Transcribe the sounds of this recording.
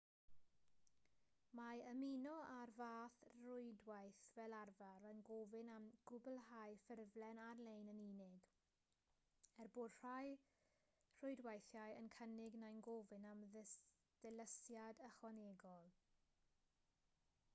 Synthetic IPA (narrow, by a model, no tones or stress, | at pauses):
maəminɔarvaːθrʊɨdwajθvɛlˠarvaɾənɡoːvɪnamɡ̥ʊbəlˠɦajfɪrvlɛnarlejnəniːnɪɡ | ɛrboːd̥r̥aj | r̥ʊɨdwajθjajənkʰənɪɡnajnɡovɪnamð | ð̥ɛləsjadəχwɔneːɡɔlˠ